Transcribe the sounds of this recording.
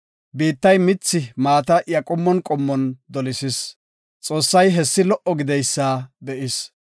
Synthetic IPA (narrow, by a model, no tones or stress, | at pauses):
biːt̪ːɐjmɪt͡sːɪmaːt̪̬ɐʔjɐkʼɔmːɔnkʼɔmːɔnd̪ɔlɪsɪs | t͡sʼo̞ːsːɐjɦɛsːɪlɔʔɔɡɪd̪ɛjsːaːd̪ɛʔɪs